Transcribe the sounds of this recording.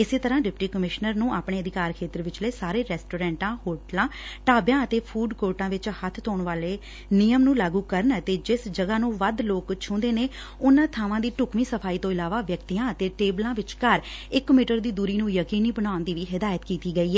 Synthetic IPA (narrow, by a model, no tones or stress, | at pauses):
ɪseːt̪əɾãːɖɪpʈiːkəmɪʃnəɾnũːʔaːpɳeːəd̪ɪkaːɾkʰeːt̪əɾʋɪt͡ʃləːsaːɾeːɾɛːsʈoːɾɛ̃ːɳʈãːhoːɾʈlãːʈaːbjãːət̪eːpʰuːɖkoːɾʈãːʋɪt͡ʃhət̪ʰt̪oːɳʋaːleː | nijəmnũːlaːɡuːkəɾnət̪eːd͡ʒɪsd͡ʒəɡaːnũːʋəd̪loːkt͡ʃʰʊ̃ːnd̪eːneː | ʊnãːt̪ʰaːʋãːd̪iːʈʊkmĩːsəpʰaːiːt̪õːɪlaːʋaːʋjəkt̪iːjãːət̪eːʈeːblãːʋɪt͡ʃkəɾɪkmiːʈəɾd̪iːd̪uːɾiːnũːjəkiːniːbənaːʊnd̪iːʋiːɦɪd̪aːjət̪kiːt̪iːɡəiːɦɛː